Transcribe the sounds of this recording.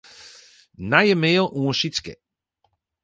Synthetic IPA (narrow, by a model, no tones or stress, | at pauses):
najəmeːlˠʔũʃit͡skɛ̰